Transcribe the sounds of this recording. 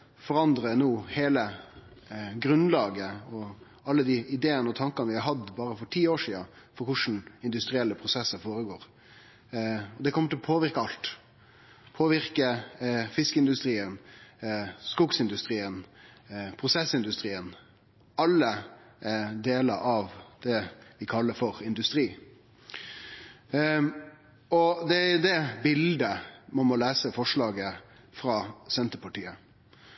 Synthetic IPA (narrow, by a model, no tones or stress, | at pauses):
fɔɾɑnd̪ɾənuːheːlə | ɡɾʉnlɑːɡəɔ | ɑlːəd̪ɪʔɪd̪eːənəɔt̪ʰɑŋkɑnəʋɪhɑɾɦɑd̪bɑːɾəfɔɾʈʰiːoːʂiːɑfɔɾkʰʊʂn̩ɪnd̪ʉst̪ɾɪɛlːəpʰɾʊsɛsəfoːɾəɡoːɾ | ɔd̪ɛkʰɔmːəʈʰɪlɔpʰoːʋɪɾkəɑlt̪ | pʰoːʋɪɾkəfɪskəɪnd̪ʉst̪ɾiːən | skʊɡsɪnd̪ʉst̪ɾiːən | pʰɾʊsɛsɪnd̪ʉst̪ɾiːən | ɑlːə | d̪eːləɾɑʋd̪̥ɛʋɪkʰɑlːəfɔɾɪnd̪ʉst̪ɾiː | ɔd̪ɛæd̪ɛbɪld̪əmɑmɔlæːsəfɔʂɭɑːɡə | fɾɑːsɛnt̪əpʰɑʈiːə